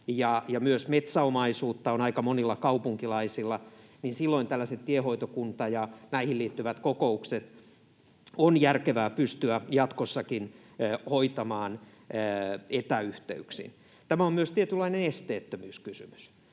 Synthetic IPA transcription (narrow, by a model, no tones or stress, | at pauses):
jɑjɑmyøsmet̪sæomɑisuːt̪ːɑonɑikɑmonilːɑkɑupuŋkilɑisilːɑninsilːoint̪ælːæset̪t̪iehoit̪okunt̪ɑjɑnæihilliːt̪ːyʋæt̪kokoukset̪ | onjærkeʋæːpyst̪yæjɑt̪kosːɑkinː | hoit̪ɑmɑːnː | et̪æyht̪ḛyksḭn | t̪æmæommyøst̪iet̪ylːˑɑinenest̪eːt̪ːømyːskysymy̥s